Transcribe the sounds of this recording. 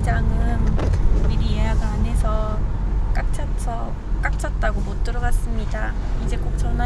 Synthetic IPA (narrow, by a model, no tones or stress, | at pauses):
d͡ʑaŋɯniɾieɦaɡɯane̞sʰʌk͈ak̚t͡ɕ͈ʰasʰʌ | k͈ak̚t͡ɕ͈ʰʌt̚t͈aɡomot̚t͈ɯɾʌɡas͈ɯmɲida | id͡ʑe̞k͈ok̚t͡ɕʰʌna